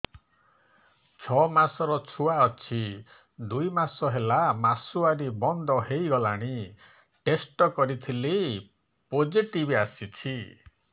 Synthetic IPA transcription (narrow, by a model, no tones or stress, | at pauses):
t͡ʃʰɔmasɔɾɔt͡ʃʰuaɔt͡ʃʰi | d̪ujmasɔɦelamasuaɾibɔnd̪ʱɔɦejɡɔlaɽ̃i | ʈesʈɔkɔɾit̪ʰile | pod͡ʒiʈibiasit͡ʃʰi